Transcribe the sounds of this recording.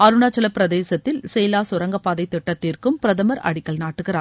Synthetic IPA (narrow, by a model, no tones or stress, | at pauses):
ɐɾɯɳaːt͡ʃːɐlɐpːɪɾɐðeːsɐt̪ːɪlsɛːlaːsʊɾɐŋɡɐpːaːðɐɪt̪ːɪʈːɐt̪ːiːrkɯmpɪɾɐðɐmɐɾɐ̰ɽɪkːɐɭnaːʈːɯɣɪraː